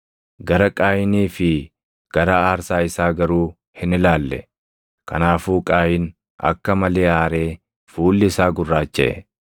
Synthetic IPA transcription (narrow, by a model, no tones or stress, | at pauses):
ɡɐɾɐkʼaːjɪniːfɪ | ɡ̥ɐɾaaːɾsaːɪsaːɡɐɾuː | hɪnɪlaːlːɛ̰ | kɐ̰naːfuːkʼaːjɪn | ɐ̰kːɐmɐle̞ːaːɾe̞ː | fuːlːɪːsaːɡʊrːaːt͡ʃːɛ̰ʔɛ